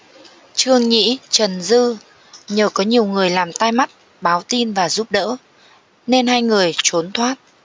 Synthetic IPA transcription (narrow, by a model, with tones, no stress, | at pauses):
t͡ɕɨ˧əŋɲḭ˧˥t͡ɕə˨˩nzɨ˧ | ɲəː˨˩kɔ˨˦ɲi˨˩əwŋɨ˨˩əjlaː˨˩mt̪a˧jma˦˥t̚ | ɓaː˨˦wt̪i˧nvaː˨˩zu˦˥p̚ɗə̰ː˧˥ | ne˧nhaː˧jŋɨ˨˩əjt͡ɕo˨˦nt̪ʰwaː˦˥t̚